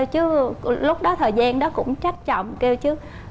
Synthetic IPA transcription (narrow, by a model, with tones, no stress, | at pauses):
wt͡ɕɨ˨˦lʊ˦˥k͡p̚ɗɔ˨˦t̪ʰəː˨˩jzaː˧nɗɔ˨˦kʊ̰˧˥ŋ͡mt͡ɕa˦˥t̚t͡ɕɔ̰˧˨wŋ͡mke˧wt͡ɕɨ˨˦